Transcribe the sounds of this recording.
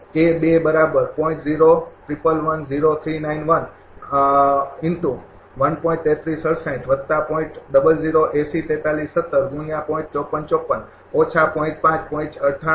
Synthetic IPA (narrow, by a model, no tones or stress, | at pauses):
kebebəɾabəɾpɔĩʈziɾot̪ɾipəlʋənziɾot̪ʰɾinainʋən | ɪnʈũ | ʋənpɔĩʈt̪ːet̪ʰɾisəɽsãĩʈʰʋəd̪t̪ːapɔ̃ĩʈɗəbəld͡ʒiɾoʔesit̪ɛ̃t̪alisːət̪ːəɾɡũijãpɔ̃ĩʈ̚t͡ʃɔpənt͡ʃɔpːən | ɔt͡ʃʰapɔĩt͡ʃpãt͡ʃpɔĩt͡ʃəʈʰa